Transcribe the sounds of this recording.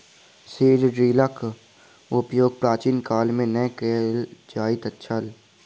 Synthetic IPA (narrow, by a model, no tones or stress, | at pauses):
seːɖɖɾiːlək | ʊpjoːɡ̚pɾaːt͡ʃiːnkaːlmẽnəkeːld͡ʒaːit̪ətːʃʰəl